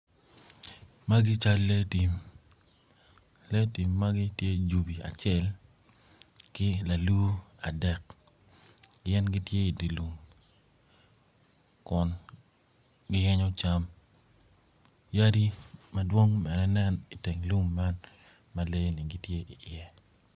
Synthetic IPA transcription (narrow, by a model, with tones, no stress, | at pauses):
ma˦ɡɪ˦t͡ʃa˦lːe˦ti˨m | le˦ti˨mːa˦ɡɪ˦tje˦d͡ʒu˨bi˨a̰˨t͡ʃɛ˦l | kɪ˦la˨lu˦a˨dɛ˨k̚ | ɡɪɛ˦nɡɪ˦tje˦i˨di˨lu˨m | kʊ˨n | ɡɪ˦jɛ˦ɲɔ˦t͡ʃa˦m | ja˦di˦mɐ˦dwo˦ŋmɛ˨ɾɛ˦nɛ˦ni˨te˨ŋlu˦mːa˦n | ma˨le˦ni˨ɡi˦tje˦ʔi˨ʔɪɛ˨